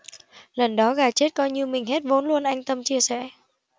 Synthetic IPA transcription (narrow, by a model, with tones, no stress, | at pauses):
lə˨˩nɗɔ˨˦ɣaː˨˩t͡ɕe˦˥t̚kɔ˨˧jɲi˧əwmï˨˩ŋ̟ɦe˦˥t̚vo˨˦nlu˧ənʔa˧jŋ̟t̪ə˧mt͡ɕi˧əsɛ̰˧˥˨